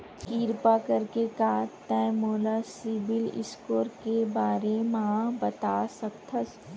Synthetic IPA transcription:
kiːɾpakɐɾkekaːt̪ːɛ̃ːmoːlasɪbɪlɪ̰skoːɾkebaːɾemɐãbɐt̪aːsɐk̚t̪ʰəs

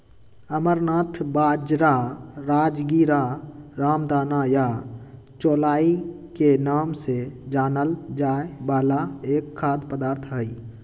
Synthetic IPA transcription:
əməɾnaːt̪ʰbaːd͡ʒɾaɾaːd͡ʒɡiːɾaɾaːmd̪aːnaja | t͡ʃoːlaːi | kenaːmsed͡ʒaːnəld͡ʒaːebaːlaeːkʰːaːd̪pəd̪aːɾt̪ʰɦəi

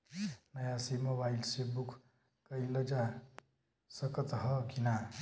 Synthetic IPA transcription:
nʌjãsimobailsebukʰ | kəiləd͡ʒa | səkət̪ɦʌkina

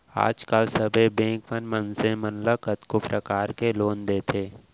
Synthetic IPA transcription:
a̰ːd͡ʒkəlsəbʱebẽːŋkʋənmənsemənləkət̪kopɾəkaːɾkeloːnd̪eːt̪ʰeː

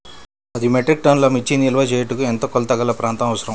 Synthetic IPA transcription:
ɐd̪imeʈɾik̚ʈɐnlɐmit͡ʃːinilʋɐd͡ʒeːjɐʈukuent̪okɔlt̪ɐɡɐlːɐpɾaːnt̪ɐmɐʋɐsɐɾɐm

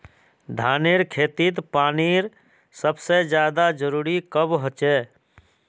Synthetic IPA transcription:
d̪ʱaːneɾkʰeːt̪it̪paːniɾ | səbsed͡ʒjaːd̪ad͡ʒəɾuːɾikəbɦot͡ʃeː

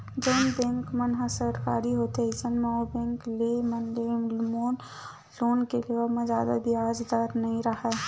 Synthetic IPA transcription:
d͡ʒəːnbɛ̃ŋkmənɦəsəɾkaːɾiɦoːt̪eisənmẽobẽːŋklemənlemoːn | loːnkeleəmẽzjaːd̪a̰bʱiaːd͡ʒd̪aɾnɐɦĩɾəɦɛ

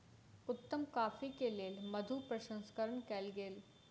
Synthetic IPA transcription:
ʊt̪ːəmkaːfikeleːlmɐd̪ʱupɾəʃə̃nskəɾəɳkɛːlɡeːl

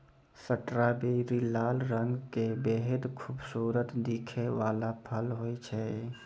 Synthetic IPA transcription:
səʈɾabeɾilaːlɾə̃ŋɡkebeɦəd̪kʰuːbsuːɾət̪d̪iːkʰeʋaːlapʰəlɦoːit͡ʃʰɛ

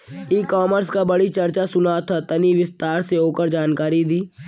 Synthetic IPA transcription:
iːkɔːməɾskabəɽit͡ʃɐɾt͡ʃasʊnat̪ʰat̪ɐniʋɪst̪aːɾseoːkəɾd͡ʒaːnkaːɾid̪iː

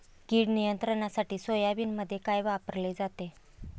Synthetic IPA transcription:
kiːɽnijənt̪ɾəɳasaʈiːsojaʋiːnməd̪ʱːjekajʋapəɾled͡zat̪e

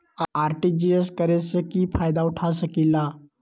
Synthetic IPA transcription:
aɾʈid͡ʑieskəɾesəkiːfajd̪auʈʰasəkilːa

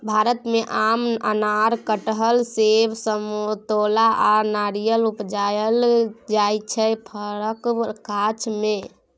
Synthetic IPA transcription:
bʱaɾət̪meʔamə̰naɾkəʈɦəlsebsəmot̪olaʔanaɾijəlupd͡ʒajəld͡ʒajt͡ʃʰɛpʰəɾəkkat͡ʃʰme

